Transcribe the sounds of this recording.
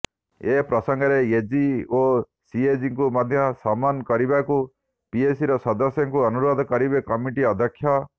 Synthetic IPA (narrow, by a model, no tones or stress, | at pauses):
epɾɔsɔŋɡɔɾeed͡ʒio | sied͡ʒiŋkumad̪ʱjɔsamanɔkɔɾibaku | piesiɾɔsɔd̪ɔsjɔŋkuɔnuɾɔd̪ʱɔkɔɾibekɔmiʈiɔd̪ʱjɔkʰːjɔ